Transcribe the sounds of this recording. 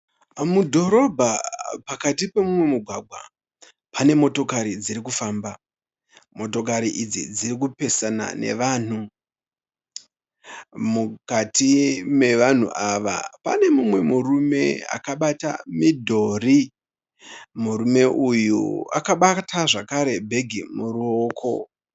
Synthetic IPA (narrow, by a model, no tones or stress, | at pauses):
mudʱo̞ɾo̞bʱapakatipe̞mumwe̞muɡʱwaːɡʱwa̰ | pane̞mo̞to̞kaɾid͡ziɾikufaːmba | mo̞to̞k̬aɾiʔid͡zid͡ziɾik̬upe̞sana̰ne̞̰ʋaːn̤u | mukatʰime̞ʋan̤ṵʔaʋa̰pa̰ne̞mumwe̞murume̞̰a̰kaɓata̰midʱo̞ri | muɾume̞ʔujṵa̰kaɓatʰaʐakaɾe̞bʱe̞ɡʱimuɾuoːkʰo̞̰